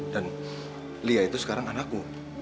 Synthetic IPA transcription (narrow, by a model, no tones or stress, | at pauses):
dan | liait̪usə̥kaɾaŋanakːu